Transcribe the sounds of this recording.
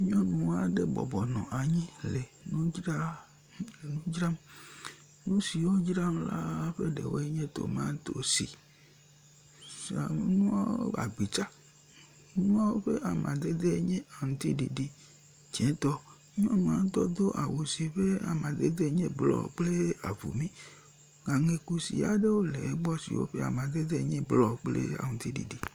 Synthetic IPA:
ɲɔ̃˦nũ˨a˨ɖe˦bɔ̰˨bɔ˨nɔ̰̃˨ʔa˨ɲĩ˦le˨nũ˦d͡ʒɾa˦ | nũ˦d͡ʒɾa˦m˦ | nũ˦si˨wo˦d͡ʒɾa˦m˦la˦ɸe˦ɖḛ˨we˦e˦ɲẽ˦t̪o̰˨mã˦t̪o˦sḭ˨ | sa˨me˦nũ˦a˦o̰˦a̰˨ɡ͡bi˨t͡ʃa˦ | nũ˦a˦wo˦ɸe˦ʔa˨mʔã˨d̪e˦d̪e˦ɲẽ˦a˨ŋũ˨t̪i˦dḭ˨di˨ | d͡ʒẽ˨˦t̪ɔ˦ | ɲ˦o˦mã˨˦t̪ɔ˦d̪o˦ʔa˨wo˨si˨ɸe˦a˨mã˨d̪e˦d̪e˦ɲe˦blɔ̰˦˨k͡ple˦a̰˨vṵ˨mĩ˦ | ŋã˨ŋe˨ku˦sḭ˨a˨˦ɖe˦wo˦lɛ˨˦ɡ͡bɔ˦sḭ˨wo̰˦ɸe˦a̰˨mã˨d̪e˦d̪e˦˨ɲẽ˦blɔ˦k͡plḛ˦a̰˨ŋũ˨t̪i˦dḭ˨di˨

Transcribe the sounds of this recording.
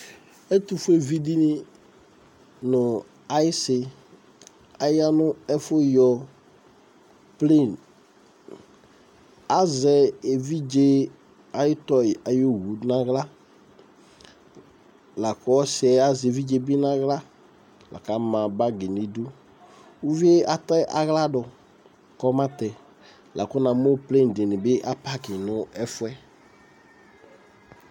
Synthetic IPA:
ɛ˦t̪ʊ˨fʊ˦e˨vi˨di˦ni˦ | nʊ˨ | a˨˦jɪ˦sɪ˨ | a˨jɪ˦a˦nʊ˦ɛ˦fʊ˦jɔ˨ | ple˦˨n | a˦zɛ˨e˨vi˦d͡ʒe˦ | a˦jɪ˦t̪ɔ˦ɪ˨a˨jo˦wu˨˦nã˦ɣla˦ | la˨kɔ˦sɛ˨a˦zvi˦d͡ʒe˦bi˦nã˦ɣla˦ | lʔa̰˨ka˨˦mã˨ba˦ɡɪ˨nɪ˨do˦ | u˦vi˦e˦a˨tɛ˦ʔa˨ɣla˦dɔ˨ | kɔ˦mã˦tɛ˨ | la̰˨kʊ˦nã˨mo˦ple˦n̩˨de˨nɪ̃˨bɪ˦ʔa˦pa˦kɪ˨nʊ˦ɛ˦fʊ˦ɛ˦

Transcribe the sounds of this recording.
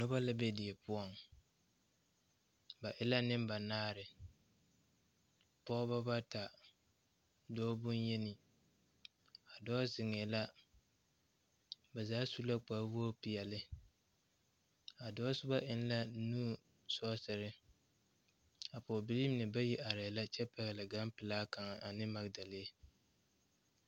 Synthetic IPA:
nʊ˦ba˦la˦be˦dɪ˨ɛ˨pʊ˦ɔ˨ŋ | ba˨ʔɪ˦la˦nɪ˦mba˨naː˦ɾɪ˨ | pɔ˦ba˦ba˦ta˨ | dɔː˦bʊ˦njɛ˦nɪ˨ | a˨dɔː˦zɪ˨ŋɛ˨la˦ | bɛ˨zaː˦su˦la˦k͡pa˨˦bu˦o˦pi˨jɛ˨lɪ˦ | a˨dɔː˦sʊ˦ba˦ʔɪ˦n˦la˦nuː˦˨ | sɔ˦sɪ˨ɾɪ˦ | a˨pɔ˨bɪ˨li˦m˦nɨ˨ba˦ji˦ʔa˨ɾɛ˨la˦t͡ʃɛ˦pɛ˨ɣɪ˨lɪ˨ɡa˦mpɪ˨laː˦ka˨ŋa˨ʔa˨nɪ˦ma˨ɡda˨lɪ˦e˦

